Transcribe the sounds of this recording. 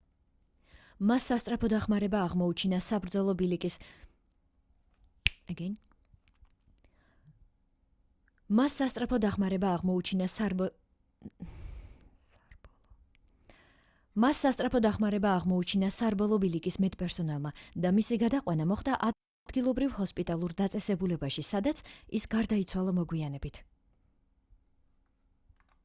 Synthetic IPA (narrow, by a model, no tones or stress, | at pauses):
masːast̪sʼɾapʰɔd̪aχmaɾɛbaːʁmɔut͡ʃʰinasabɾd̪zɔlˠɔbilikʼis | ɡ̪ | masːast̪sʼɾapʰɔd̪aχmaɾɛbaːʁmɔut͡ʃʰinasb | masːast̪ʼɾapʰɔd̪aχmaɾɛbaːʁmɔut͡ʃʰinasaɾbɔlˠɔbilikʼismɛt̪ʼpʼɛɾsɔnalˠmad̪amisiɡad̪aqʼwanamɔχd̪aʔ | d̪ɡilˠɔbɾivhɔspʼit̪ʼalˠuɾd̪at̪sʼɛsɛbulɛbaʃisad̪at̪sʰisɡaɾd̪ait̪sʰwalˠamɔɡwianɛbit̪ʰ